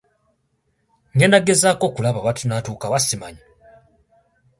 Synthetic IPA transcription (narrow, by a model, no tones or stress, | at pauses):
ŋenaɡe̞zaːko̞kulaβaβatʰunatuːkaβasimaɲi